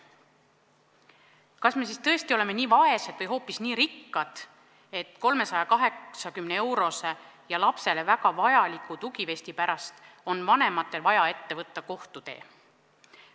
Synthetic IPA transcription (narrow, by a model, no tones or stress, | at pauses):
kɑsme̞siːst̪ɤ̞est̪io̞le̞me̞niːvɑe̞sed̪vɤjɦo̞ːpːisniːɾikːɑd̪̥ | e̞t̪ko̞lme̞sɑjɑkɑɦe̞ksɑkymneewɾo̞sejɑlɑpse̞le̞væɡɑvɑjɑlikˑut̪uɡive̞sʲt̪ipæɾɑst̪ | o̞nvɑne̞mɑt̪ˑːe̞lvɑjɑe̞t̪ːe̞vɤt̪ːɑko̞ht̪ut̪e̞̰ː